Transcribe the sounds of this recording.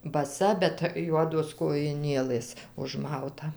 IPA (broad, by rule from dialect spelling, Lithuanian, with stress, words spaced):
bɐˈsɐ bʲɛt ˈjuɔdoːs koːjɪˈnʲeːlˠɘs ʊʒˈmɐʊtɐ